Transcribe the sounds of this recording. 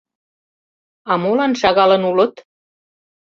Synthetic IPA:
ɑmolɑnʃɑɣɑlə̆nulət̪

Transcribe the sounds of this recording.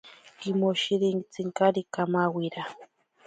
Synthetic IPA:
kimoʃiɾiŋt͡siŋkaɾikamawiɾa

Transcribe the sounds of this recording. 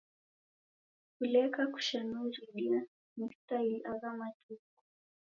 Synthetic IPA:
kulɛkaku̥ʃanuɾiɗia | ni̥tailʔaɣamatuku

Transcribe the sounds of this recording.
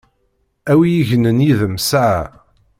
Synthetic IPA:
æwijiʝnənjiðəmsa

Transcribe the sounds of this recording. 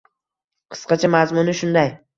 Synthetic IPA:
qʰɨ̥sqɑt͡ʃʰamazmʊnɪʃʊnd̪aj

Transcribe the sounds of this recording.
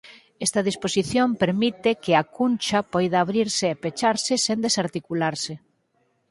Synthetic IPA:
ɛst̪ɐðisposiθjompeɾmit̪ɪkɪakunʲt͡ʃapɔjðaːβɾiɾsɪepet͡ʃaɾsɪsend̪esaɾt̪ikulaɾsɪ

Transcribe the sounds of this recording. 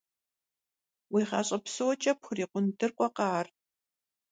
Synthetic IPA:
wiːχɑ̰ːɕʼɐpsowɔt͡ʃʼɐpxʊriːqʷʊndɨrqʷʼɔqɑːr

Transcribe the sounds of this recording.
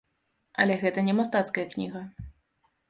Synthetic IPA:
ɐ̰lʲɛɣɛt̪ɐnʲɛmast̪at̪skɐjɐknʲḭɣɐ

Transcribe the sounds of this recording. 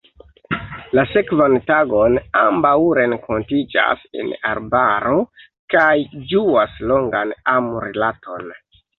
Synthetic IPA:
lase̞kvantaɡo̞nambawɾe̞ŋkʰo̞ntid͡ʒa̰sḛna̰ɾbaɾo̞ | kajd͡ʒuaslo̞ŋɡanamuɾelatʰo̞n

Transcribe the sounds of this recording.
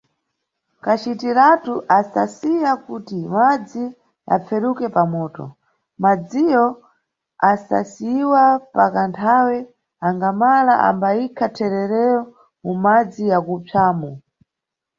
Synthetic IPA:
kat͡ʃitiɾatuʔasasijakutimad͡zi | a̰p͡fɛɾukɛpamɔːtɔ̰ | mad͡zijɔ | asa̰siiwapakantʰawɛ | aŋɡamalaʔa̰mbaikʰatʰɛɾɛɾɛjɔ | mumad͡zijakup͡fʰaːmu

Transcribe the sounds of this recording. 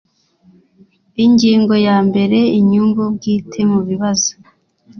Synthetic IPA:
iɲɟiːŋɡo̞jaːmbe̞ɾe̞iɲumbub̚ɡiːtʰe̞muβiβazo̥

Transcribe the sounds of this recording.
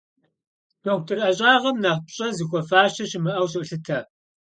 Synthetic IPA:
d̥okʷtʰɨrɐɕʼaːʁɐmnaːpɕʼɐzixʷɔfaːʃɐɕɪmɨʔɐwɕ̬ʼʔɬɨtʰɐ

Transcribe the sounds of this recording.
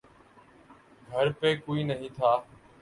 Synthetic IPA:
ɡʱəɾpeːkoːiːnəɦĩːt̪ʰaː

